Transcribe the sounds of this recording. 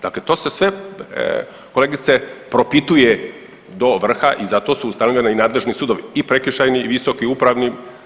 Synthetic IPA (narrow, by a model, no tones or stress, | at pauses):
d̪aklet̪o̞ːse̞sʋe̞ | kole̞ɡit̪se̞pɾo̞pit̪uje | d̪o̞ʋr̩xaʔizat̪o̞ːsuːst̪anoʎʲenainaːd̪le̞ʒnisuːd̪oʋiipɾekiʃajniʋiso̞kiupɾaʋni